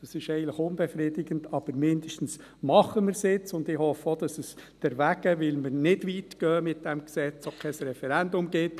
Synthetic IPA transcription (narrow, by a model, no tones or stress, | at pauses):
d̥ɑsɪʃɛɪɡn̩tləxʊnb̥ɛfɾidɪɡ̥əntɑb̥əɾmɪnd̥əʃtn̩s | mɑχəmɪɾsɪt͡sʊndɪhɔfəod̥ɑsəsd̥ɛɾʋæɡəʋɪlməɾnɪdʋiːtɡ̥œːmɪt̚d̥ɛmksɛt͡sokʰɛɪsɾɛfɛɾændʊmɡɪt